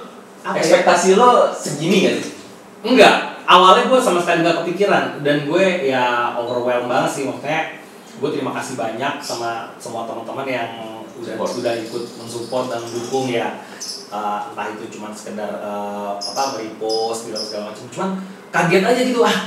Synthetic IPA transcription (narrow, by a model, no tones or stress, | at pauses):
aɛspɛk̚t̪asilosəɡiniɡans | ŋɡaʔawalɲaɡuasamasə̥t̪anɡakəpikiɾandanɡuejaovərwɛlbaŋət̪sɪhmaŋkajaʔ | ɡuɛt̪əɾimakasɪhbaɲak̚samasəmuat̪əmənt̪əmənjaŋ | udahsudahikʊt̪̚məŋsupɔrt̪̚danədukʊŋja | əːnt̪aɦit̪ut͡ʃumansə̥kədarəpot̪alpəɾiposkilasəkaamat͡ʃəmt͡ʃuman | kaɡiat̪ad͡ʒaɡit̪ulah